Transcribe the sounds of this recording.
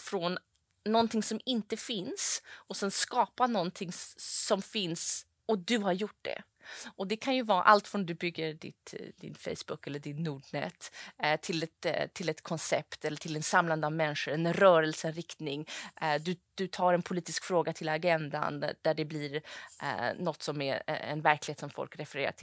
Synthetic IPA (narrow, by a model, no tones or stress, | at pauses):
fɾɔnː | ɔnt̪ʰɪŋsɔmɪnt̪əfɪnsɔsɛnskɑːpanɔnt̪ʰɪŋsɔmfɪns | ɔd̪ɵɦaɾjʊʈ̚ːɖ̪ɛ̰ | ʔɔd̪ɛkʰanjɵvɑːa̰ʔalt̪fɾɔnd̪ɵbʏɡːəɾɖɪ̰t̪d̪ɪ̰nfɛ̰jsbʊkːɛlːəɖɪnːuːɖnɛ̰t̪ːt̪ʰːɪlɛt̪t̪ʰɪlɛt̪kʰɔnsɛpt̪ɛlːəʈʰɪlɛnsamland̪əavmɛnːʂəɾɛnɾœːɾɛlsəɛɾɪkt̪nɪŋd̪ɵd̪̥ɵt̪ʰɑːɾɛnpʰʊliːt̪ɪskfɾoːɡat̪ʰɪlaɡɛnd̪a̰nd̪̥æɖɛbliːɾ̰ | nɔt̪ːsɔmæ̰ɛ̰nvæɾklɪheːt̪sɔmfɔ̰lkɾɛfɛɾeːɾa̰ʈʰɪ